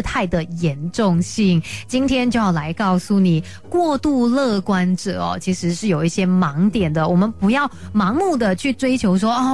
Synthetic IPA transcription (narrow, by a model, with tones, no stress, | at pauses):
t̪ʰa˥˩ɪd̪ə˩jɛ˧˥nʈ͡ʂʊ˥˧ŋɕi˥˩ŋt͡ɕi˥nt̪ʰjɛ˥nt͡ɕjo˥˧ʊjɑ˥˩la˧˥ɪkɑ˥˩ʊsu˥˩ni˨˩ | kwɔ˥˧t̪u˥˧lɤ˥˧˩kwa˥nʈ͡ʂɤ̰˨˩ɐ̰˩t͡ɕʰi˧˥ʂɻ̩˧˥ʂɻ̩˥˩jo˨˩ʊi˥˩ɕjɛ˥mɑ˧˥ŋt̪jɛ˨˩nd̪ə˦wɔ˨˩mə˦npu˧˥jɑ˥˩ʊmɑ˧˥ŋmu˥˩d̪ə˩t͡ɕʰy˥˩ʈ͡ʂwe˥ɪt͡ɕʰjo˧˥ʊʂ̬wɔ˥ʔɔ˥˧˩